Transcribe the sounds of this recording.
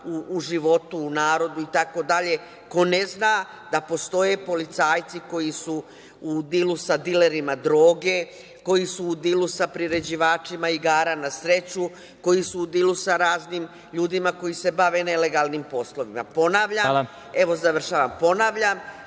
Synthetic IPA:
uːʒiʋo̞t̪uːnaːɾo̞d̪uit̪ako̞d̪aʎe̞ | ko̞ne̞znaː | d̪̥apo̞st̪o̞je̞po̞lit̪saːjt̪siko̞jisu | ud̪ilusad̪ile̞ɾimad̪ɾo̞ːɡe̞ | ko̞jisuːd̪ilusapɾiɾe̞d͡ʑiʋaːt͡ʃimaiɡaːɾanasɾe̞t͡ɕu | ko̞jisuud̪ilusaɾaːzniːm | ʎuːd̪imako̞jise̞baʋe̞ne̞le̞ɡalˠnimpo̞slo̞ʋima̰po̞naːʋʎa | e̞ʋo̞zaʋr̩ʃaːʋampo̞naːʋʎam

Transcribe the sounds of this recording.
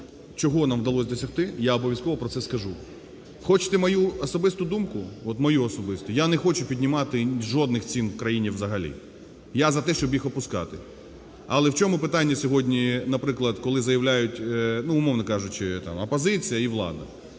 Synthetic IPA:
t͡ʃɔɦɔnamʋd̪ɐlˠɔsʲd̪ɔsʲɐxt̪ɪjaɔbɔʋʲjɐskɔʋɔpɾɔt̪sɛskɐʒu | xɔt͡ʃɪ̥t̪ɛmɐjuɔsɔbɪst̪ʊd̪umkʊɔt̪mɔjuɔsɔbɪst̪ʊjanɛxɔt͡ʃʊpʲid̪ʲnʲɪmɑt̪ɪʒɔd̪nɪxt͡sʲinkɾɐjinʲiwzɐɦɐlʲḭ | jazɐt̪ɛʃt͡ʃɔbjixɔpʊskɑ̰t̪ɪ | ɐlˠɛwt͡ʃʲɔmʊpɪt̪ɑnʲːɐsʲɔɦɔdʲnʲinɐpɾɪklˠɐd̪kɔlˠɪzɐjɐʋlʲajʊtʲnuːmɔʋnɔkɑʒʊt͡ʃɪt̪ɑ̰mɐpɔzɪt͡sʲijɐiʋlˠɑ̰d̪ɐ̰

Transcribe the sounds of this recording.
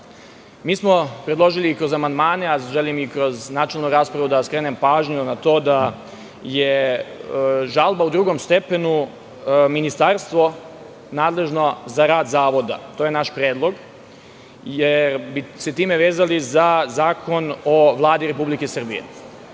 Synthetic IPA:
miːsmo̞pɾe̞d̪lˠo̞ʒiliːkɾo̞zamand̪maːne̞aʒelimikɾo̞znaːt͡ʃelnuɾaːspɾaʋud̪askɾeːnempaːʒɲunat̪o̞ːd̪a | je | ʒalˠbaud̪ɾuːɡo̞mst̪e̞penu | minist̪aɾst̪ʋo̞ | naːd̪le̞ʒno̞zaɾaːd̪zaːʋo̞d̪a̰t̪oːje̞naʃpɾeːd̪lˠo̞ɡ | jeɾbiset̪iːme̞ʋeːzalizazaːkʰo̞no̞ʋlˠaːd̪iɾe̞publikesɨr̩bijḛ

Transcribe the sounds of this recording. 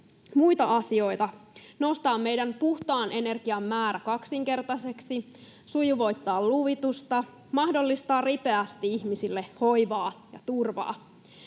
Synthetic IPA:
mujt̪ɑʔɑsio̞jt̪ɑno̞st̪ɑːmːe̞jdænpuht̪ɑːnʔe̞ne̞rɡ̥iɑmːæːɾækɑksiŋke̞rt̪ɑse̞ksi | sujuʋo̞jt̪ːɑːlluʋit̪ust̪ɑ | mɑhdo̞lːist̪ɑːrripeæst̪iiçmisilːe̞ho̞jʋɑːjɑ̰t̪urʋɑ̰ː

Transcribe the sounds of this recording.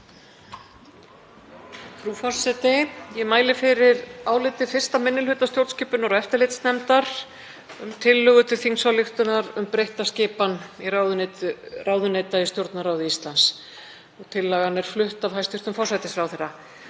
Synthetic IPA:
fɾufɔrsɛt̪ɪjɛmaːjlɪfɪɾɪɾaːwlɪt̪ɪfɪr̥st̪amɪnːɪlhʏt̪ast̪jowɾt̪scɪːpʏnɔɾɛft̪ɪlɪjt̪snɛmt̪aɾ̥ | ʏmt̪ʰɪlːʏɣʏt̪ʰɪ̥θiŋsvawlɪxt̪ʏnaɾʏmpɾejht̪ascɪːpaniraʏraːwðʏneːt̪aist̪jowɾt̪naɾawðʏist̪lans | ɔɣt̪ʰɪlːaɣanɛɾ̥flʏht̪avɦajst̪ɪr̥t̪ʏmfɔrsajt̪ɪsfɾawθejrːa

